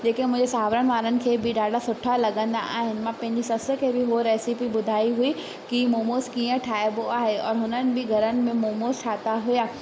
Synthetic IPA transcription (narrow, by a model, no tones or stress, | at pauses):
d͡ʑeːkemʊ̃ɪ̃d͡ʑesaːʋɾəɽ̃̆ʋaːɾənɪ̆kʰeːbɪɗaːɖʱasʊʈʰalɐɠə̃nd̪a̰ʔa̰ːɦɪnɪ̆mãpɐ̃ɦɪ̃ɲd͡ʑisɐsə̆kʰeːbɪɦoɾɛːsipiɓʊd̪ʱaːiɦui | kimoːmoːzkiːə̃ʈʰaːeboaːɦeɔːɾɦʊnənɪ̆bɪɡʱɐɾənɪ̆mẽmoːmoːsʈʰaːt̪aɦujaː